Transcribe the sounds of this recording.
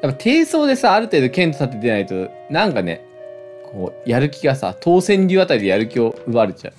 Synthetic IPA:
japːat̪ʰe̞ːso̞ːd̪e̞saːɾɯ̟t̪e̞ːd̪o̞kẽ̞nt̪o̥sat̪ːed̪e̞nait̪o̞ | nãŋkane̞̰ | kʰo̞ːjaɾɯ̟kʲiɡasa̰t̪ʰo̞ːsẽ̞ɲɾʲɯat̪aɾʲid̪e̞jaɾɯ̟kʲio̞ɯ̟βaɾet͡ɕa̰ɯ̟

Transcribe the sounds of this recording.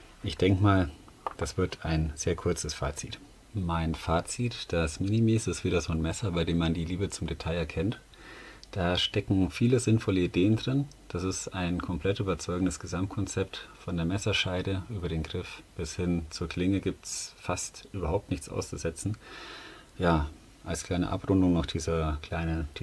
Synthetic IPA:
ʔɪçd̥ɛŋkəmaːl | d̥asv̥ɪɐtʰaɪnz̥eːɐkʰʊɐt͡səsfa̰ːt͡siːt | maɪnfaːt͡sitd̥asminimiːsɪstv̥iːdɐzoːnmɛsɐbaɪdeːmːandiːliːbət͡sʊmdetʰaɪɛɐkʰɛnt | d̥aːʃtɛkŋ̩fiːləzɪnfɔləideːəndʁɪn | d̥asɪstaɪnkʰɔmpʰl̥ɛtʔyːbɐt͡sɔʏɡŋ̩dəsɡ̥əzamt̚kʰɔnt͡sɛp̚tfɔndeːɐmɛsɐʃaɪdəʔyːbɐɾeːnɡʁɪfb̥ɪshɪnt͡suːɐkʰl̥ɪŋəɡiːp̚tsfastʔyːbɐhaʊp̚tnɪçt͡sʔa̰ʊst͡suzɛt͡sn̩ | jaː | ʔalskʰl̥aɪnə̰ʔa̰pʁʊndʊŋnɔχd̥iːzɐkʰl̥aɪnəd̥

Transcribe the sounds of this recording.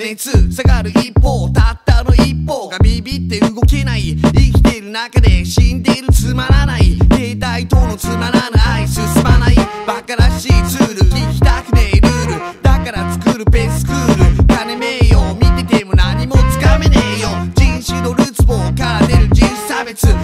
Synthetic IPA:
esɨsaɡaɾɯ̟ʔipːo̞ːt̪at̪ːano̞ipːo̞ːɡamʲibʲit̪ːe̞ɯ̟ɡo̞ke̞naiikʲi̥t̪e̞iɾɯ̟nakad̪e̞ɕĩnd̪e̞iɾɯ̟t͡sɨmaɾanaike̞ːt̪ait̪o̞ːno̞t͡sɨmaɾanaaisɨsɨmanai | b̥akaɾaɕiːt͡sɨːɾɯ̟kʲikʲi̥t̪akɯ̟̥t̪e̞ɾɯ̟ːɾɯ̟ | d̪̥akaɾat͡sɨ̥kɯɾɯ̟pe̞sɨ̥kɯ̟ːɾɯ̟kanemejo̞mʲit̪et̪e̞monaɲ̟imo̞t͡sɨ̥kame̞neɯjo̞d͡ʑĩɰ̃ɕɨno̞ɾɯ̟t͡sɨmo̞kaɾane̞ɾɯ̟d͡ʑisabe̞t͡sɨ

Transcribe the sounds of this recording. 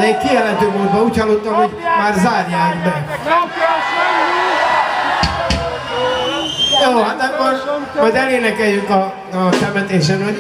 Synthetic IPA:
lɛːkkːiɛlɛnt̪ømoːd̪vɒuːchɒlːot̪ːɒmɦo̞ɟmaːrzaːrjaːkbɛ | joːhat̪ɛkːor | mɒjd̪ɛleːnɛkɛljyŋkɒ | sɛmɛt̪eːʃ̬ɛnɦo

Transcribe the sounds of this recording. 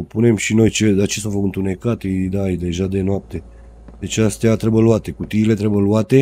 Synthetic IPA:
pune̞mʃino̞jt͡ʃed̪at͡ʃesovəɨnt̪une̞kat̪id̪ajd̪e̞ʒad̪e̞noap̚t̪e̞ | d̪e̞t͡ʃeast̪eat̪ɾebəluat̪e̞kut̪iːle̞t̪ɾebəluat̪e̞

